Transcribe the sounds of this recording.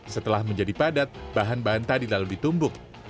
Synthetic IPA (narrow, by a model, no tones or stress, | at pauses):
sət̪əlahməɲd͡ʒadipadat̪̚baɦanbaɦant̪adilaludit̪umbʊŋ